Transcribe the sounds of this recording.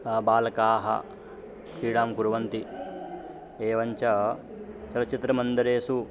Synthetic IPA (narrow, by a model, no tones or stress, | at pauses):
baːlɐkaːɦɐ̰ | kiːɽaːmkuɾuʋɐnt̪i | eːʋɐɲt͡ʃɐ | t͡ʃɐlɐt͡ʃit̪ɾɐmɐnd̪ɐɾeːsu